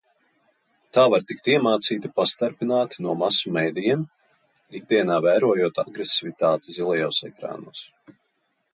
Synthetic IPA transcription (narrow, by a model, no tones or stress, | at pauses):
t̪aːvaɾt̪ikt̪ʲiɛmaːt̪siːt̪apast̪aɾpinaːt̪i̥nuɔmasumɛjd̪ijɛm | ik̚d̪iɛnaːvæːɾuɔjuɔt̪aɡɾesivit̪aːt̪izilˠɛjoːsɛ̰kɾa̰ːnṵːs